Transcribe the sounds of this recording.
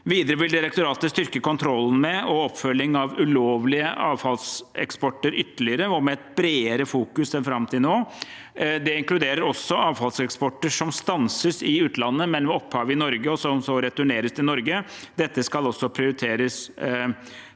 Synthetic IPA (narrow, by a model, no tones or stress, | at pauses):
ʋiːd̪ɾəʋɪld̪ɪɾɛkt̪ʊɾɑːt̪əst̪ʏɾkəkɔnt̪ʰɾɔlːn̩mɛɔɔpːfœlːɪŋɑʋʉloːʋlɪəʔɑːʋfɑlsɛ̰kspɔʈːəɾʔʏt̪ːəlɪəɾəɔmɛɛt̪̚b̥ɾeːəɾəfuːkʉsɛnfɾɑmt̪ʰɪnoː | d̪ɛɪŋklʉd̪eːɾəɾɔsːɔɑːʋfɑlsɛkspɔʈːəʂɔmst̪ɑnsəsɪʉːt̪lɑnːəmɛnʋɛɔpːhɑːʋəɪnɔɾɡəɔsɔmsɔɾɛt̪ʉɳeːɾəst̪ɪnɔɾɡəd̪ɛt̪ːəskɑlɔsːɔpʰɾɪʊɾɪt̪ʰeːɾəs